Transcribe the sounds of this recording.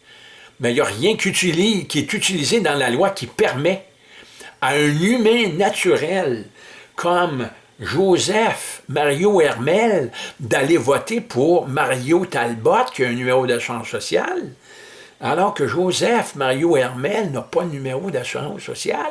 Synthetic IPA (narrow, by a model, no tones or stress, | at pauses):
mɛjəʁjɛ̃kʲyt̪ilikʲiɛt̪yt̪ilized̪ɑ̃lalwakʲipɛʁmɛ | aœ̃nymɛ̃nat̪t͡syʁɛlkʰɔm | ʒozɛfmaʁjoɛʁmɛld̪alevɔt̪epʰuʁmaʁjot̪albɔt̪̚kʲjəɛ̃nymeʁod̪asyʁɑ̃sːɔsja̰l | alɔːʁkəʒozɛfmaʁjoɛʁmɛlnəpʌd̪nymeʁod̪asyʁɑ̃sːɔ̰sja̰l